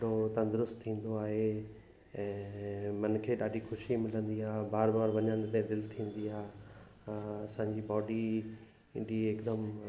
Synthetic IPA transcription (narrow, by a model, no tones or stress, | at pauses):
ɽot̪ɐ̃nd̪ɾʊst̪t̪ʰːĩːn̆d̪oaːɦe | ɛ̃ːmɐnkʰeːɗaːɗixʊʃimɪlə̃nd̪iaːbaːɾbaːɾʋɐɲəɽ̃t̪ɛ̃d̪ɪlt̪ʰĩːn̆d̪iaː | ɐsãːɲd͡ʑibɔːɖi | ɖieːkd̪əm